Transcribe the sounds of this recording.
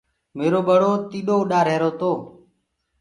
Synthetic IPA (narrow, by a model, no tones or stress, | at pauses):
meːɾoːɓəɽoːt̪iːɗoːʊɗaːɾeːɾoːt̪oː